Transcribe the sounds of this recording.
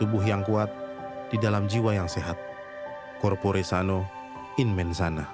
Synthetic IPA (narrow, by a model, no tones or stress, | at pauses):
t̪ubʊɦjaŋkuat̪̚d̥idalamd͡ʒiwajaŋseɦat̪̚ | kɔrpoɾesano | inmɛnsana